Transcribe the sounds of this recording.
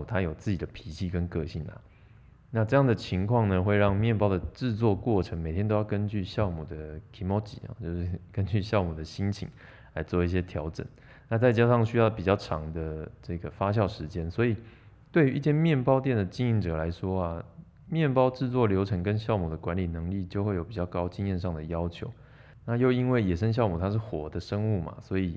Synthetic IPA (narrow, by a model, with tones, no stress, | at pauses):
t̪ʰa˦˥jo˨˩ʊt͡sɹ̩˥˩t͡ɕi˨˩d̪ə˦pʰi˨˥t͡ɕʰi˥˧kə˦nkɤ˥˧ɕi˥˩nlɐ̰˨ | na˥˧ʈ͡ʂɤ˥˧jɑ˥˩ŋd̪ə˩t͡ɕʰi˧˥ŋkʰwɑ˥˩ŋnə˩xwe˥˧ɪɻɑ˥˧ŋmjɛ˥˨npɑ˥ʊd̪ə˨ʈ͡ʂɻ̩˥˧t͡swɔ˥˧kwɔ˥˨˩ʈ͡ʂʰə˧˥ŋme˨˩ɪt̪ʰjɛ˥no˥ʊjʊkə˦nt͡ɕy˥˧ɕjɑ˥˨ʊmu˨˩d̪ə˩kʰi˧˥mɔ˥t͡ɕḭ˨˩˦ɐ̰˨˩t͡ɕjo˥˧ʊʂɻ̩˥˩kə˦nt͡ɕy˥˧ɕjɑ˥˩ʊmu˨˩d̪ə˩ɕi˥nt͡ɕʰḭ˨˩ŋ | la˧˥ɪt͡swɔ˥˧i˥˩ɕ̬jɛ˦t̪ʰjɑ˧˥ʊʈ͡ʂə̰˨˩˦n | na˥˧t͡sa˥˩ɪt͡ɕja˥ʂɑ˥˩ŋɕy˥jɑ˥˩ʊpi˨˩t͡ɕjɑ˥˩ʊʈ͡ʂʰɑ̰˧˥ŋd̪ə˧ʈ͡ʂɤ˥˩ɡə˩fa˥ɕ̬jɑ˥˩ʊʂɻ̩˧˦t͡ɕjɛ˥nswɔ˧˥i˨˩ | t̪we˥˧ɪy˧ʔi˥˩t͡ɕjɛ˥˧nmjɛ˥˩npɑ˥ʊt̪jɛ˥˩nd̪ə˩t͡ɕi˥nŋi˧˥ŋʈ͡ʂɤ˨˩la˧˦ɪʂwɔ˥ɐ˨ | mjɛ˥˩npɑ˥ʊʈ͡ʂɻ̩˥˧t͡swɔ˥˩ljo˧˥ʊʈ͡ʂʰɤ˧˥ŋkə˦nɕjɑ˥˩ʊmu˨˩d̪ə˩˦kwa˧˥nli˨˩nə˧˦ŋli˥˩t͡ɕjo˥˧ʊxwe˥˩ɪjo˨˩ʊpi˨˩t͡ɕjɑ˥˩ʊkɑ˥ʊt͡ɕi˥˧ŋjɛ˥˧nʂɑ˥˩ŋd̪ə˩jɑ˥ʊt͡ɕʰjo̰˧˦ʊ | na˥˧jo˥˧ʊi˥nwe˥˩ɪjɛ˨˩ʂə˥ŋɕjɑ˥˩ʊmu˨˩t̪ʰa˥ʂ̬ɻ̩˥˩xwɔ˧˥d̪ə˧ʂə˥ŋu˥˩mɐ̰˩swɔ˧˥i˨˩